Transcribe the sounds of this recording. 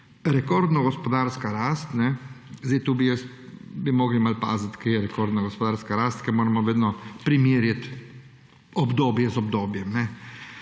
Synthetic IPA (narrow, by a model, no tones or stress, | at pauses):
ɾɛkoːɾd̪nɔɡɔspɔd̪aːɾskaɾaːst̪nɛzd̪ejt̪uːbijɛs | bimɔːɡlimalpa̰ːzat̪kejɛɾɛkoːɾd̪naɡɔspɔd̪aːɾskaɾaːst̪kɛɾmoːɾamɔʋeːd̪nɔpɾimiːɾjat̪ | ɔbd̪oːbjɛzɔbd̪oːbjɛmnɛ